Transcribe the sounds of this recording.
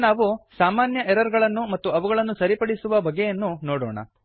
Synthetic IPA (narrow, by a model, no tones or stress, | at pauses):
naːʋusaːmaːnjɐʔɛɾɐɾɡɐɭɐnːumɐt̪ːuɐʋuɡɐɭɐnːusɐɾipɐɽisuʋɐbɐɡːejɐnːunoːɽɔːɳɐ̰